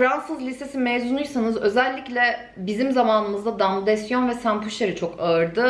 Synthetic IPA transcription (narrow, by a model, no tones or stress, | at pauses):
fɾansɯzlʲise̞simɛjzunuɾsanɯzø̞zɛlʲːiclʲɛ | bizimzamaːnɯmɯzd̪ad̪amlˠud̪ɛsjo̞nvɛsæmpʰuʃeɾɯt͡ʃʰo̞kaɯɾd̪ɯ